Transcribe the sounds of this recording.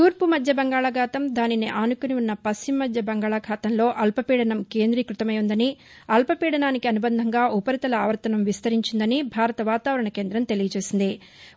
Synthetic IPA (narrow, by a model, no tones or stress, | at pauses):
t̪uːɾpumɐd̪ʱjɐbɐŋɡaːɭɐɡʱaːt̪ɐmd̪aːniniʔaːnukuniunːɐpɐst͡ʃimːɐd̪ʱjɐbɐŋɡaːɭakʰaːt̪ɐmlo̞ːʔɐlpɐpiːɽɐnɐmke̞ːnd̪ɾiːkɾut̪ɐmɐjund̪ɐni | ɐlpɐpiːɽɐnaːnikiɐnubɐnd̪ʱɐŋɡaːʔupɐɾit̪ɐlɐaːʋɐɾt̪ɐnɐmʋist̪ɐɾiɲt͡ʃind̪ɐnibʱaːɾɐt̪ɐʋaːt̪aːʋɐɾɐɳɐke̞ːnd̪ɾɐmt̪e̞lijɐt͡ʃe̞ːsind̪i